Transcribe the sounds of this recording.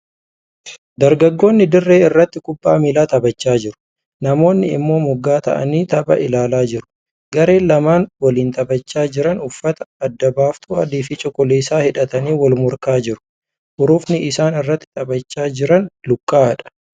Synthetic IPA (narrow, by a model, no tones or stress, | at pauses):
d̪ɐɾɡɐɡːo̞ːnːɪd̪ɪrːe̞ːɪrːɐt̪ːɪkʊbːaːmiːlaːt̪ɐbɐt͡ʃːaːd͡ʒɪɾʊ̥ | nɐmo̞ːnːɪɪ̰mːo̞ːmʊɡːaːt̪ɐ̰ʔɐ̰niːt̪ɐbɐ̰ʔɪlaːlaːd͡ʒɪɾʊ̥ | ɡɐɾe̞ːlɐmaːnwɐliːnt̪ɐbɐt͡ʃːaːd͡ʒɪɾɐnʊfːɐt̪ɐɐd̪ːɐbaːft̪ʰuːɐd̪iːfɪt͡ʃʼɔkɔleːsaːhɪᶑɐt̪ɐniːwɐlmʊɾkaːd͡ʒɪɾʊ̥ | hʊɾuːfnɪʔɪsaːnɪrːɐt̪ːɪ̥t̪ʼɐbɐt͡ʃːaːd͡ʒɪɾɐnlʊkʼːaːᶑɐ̥